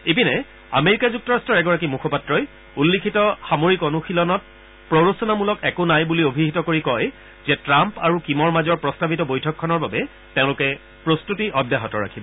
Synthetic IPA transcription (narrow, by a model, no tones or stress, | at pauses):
epinɛ | a̰meɹikazuk̚tɔɹastʰɔɹɛɡɔɹakimukʰɔpatɹɔj | ulːikʰitɔxamoɹikɔnuxilɔnɔt̚ | pɹoɹosɔnamulɔkɛkonajbuliobʱiɦitɔkoɹikɔj | zɛtɹampaɹukimɔɹmazɔɹpɹɔstabʱitɔbojtʰɔkʰːɔnɔɹbabɛ | tẽʊ̃lʊkɛ | pɹostutiʔɔdjaɦɔtɔɹa̰kʰibɔ